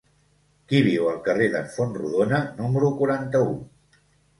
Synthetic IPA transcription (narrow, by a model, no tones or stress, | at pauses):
kiβ̞iwəlˠkəreðəɱfonrṵðonənuməɾukuɾant̪əu